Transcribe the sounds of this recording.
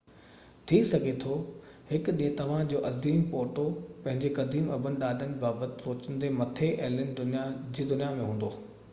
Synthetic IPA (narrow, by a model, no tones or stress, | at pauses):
t̪ʰisɐɡʱet̪ʰo | hɪkɗiːə̃t̪ɐʋ̤ãd͡ʑoːʔɐziːmpoːʈopɐ̃ɦɪ̃ɲd͡ʑekɐd̪iːmɐbʱənɪ̆ɗaːɗənbaːbət̪ɪ̥soːt͡ɕənd̪emɐt̪ʰeʔɐɦlənd̪ʊnijad͡ʑiːd̪ʊnijamẽɦũːn̆d̪oː